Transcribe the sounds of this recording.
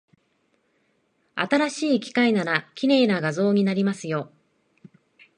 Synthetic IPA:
a̰t̪aɾaɕiːkʲi̥kainaɾakʲine̞ːnaɡazo̞ːɲ̟inaɾʲimasɨjo̞

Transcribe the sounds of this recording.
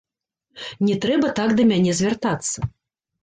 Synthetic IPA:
nʲɛt̪ɾɛbɐt̪akd̪ɐmʲanʲɛzʲvʲart̪at̪sːɐ

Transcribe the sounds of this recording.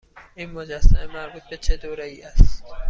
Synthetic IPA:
ʔiːnmod͡ʒæsːæmemæɾbuːt̪̚be̞t͡ʃʰed̪oːɾeiːʔæstt̪

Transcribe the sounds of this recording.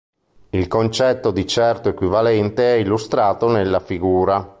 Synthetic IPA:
ilkont͡ʃɛt̪ːod̪it͡ʃɛrt̪oekwivalɛnt̪eɛilːust̪ɾaːt̪onelːafiɡuːɾa

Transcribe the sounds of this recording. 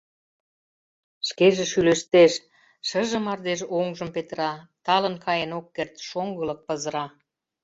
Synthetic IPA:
ʃkeʒeʃyleʃt̪eʃ | ʃə̆ʒə̆mɑrd̪eʃoŋʒə̆mpet̪ɾɑt̪ɑlə̆nkɑjenokːert̪ʃoŋɡə̆lɤ̆k̚pə̆zəɾɑ

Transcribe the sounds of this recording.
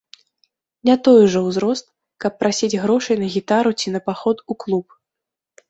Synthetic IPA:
nʲat̪ɔjʐɐwzɾɔst̪̚ | kɐpːɾasʲid͡zʲɣɾɔʂɐjnɐɣʲit̪aɾut͡sʲinɐpaxɔt̪uklˠup̚

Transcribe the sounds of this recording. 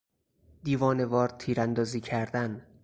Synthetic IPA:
d̪iːvɒːne̞vɒːɾt̪ʰiːɾænd̪ɒːziːcʰæɾd̪æn

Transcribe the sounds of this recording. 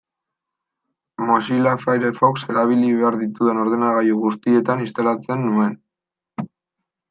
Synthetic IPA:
mosilafajɾefokse̞ɾaβiliβe̞aɾðit̪uðeno̞ɾðenaɣajuɣust̪ie̞t̪anist̪alat͡se̞nːue̞n

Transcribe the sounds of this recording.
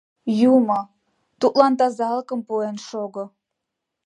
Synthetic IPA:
jumo | t̪ut̪lɑnt̪ɑzɑləkəmpuenʃoɣo

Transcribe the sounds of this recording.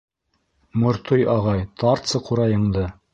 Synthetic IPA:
mŏɾt̪ojɑʁɑjt̪ɑɾt̪sɤquɾɑjɤ̆ɴd̪ɤ

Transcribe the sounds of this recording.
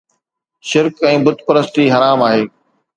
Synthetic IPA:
ʃɪɾkɛ̃ːbʊd̪ʱpɐɾəst̪iɦɐɾaːmaːɦeː

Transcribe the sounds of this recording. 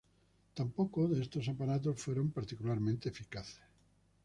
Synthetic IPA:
t̪ampokoðest̪osapanat̪̬osfweɾo̞mpaɾt̪ikulaɾmẽnt̪eːfikaθe̥s

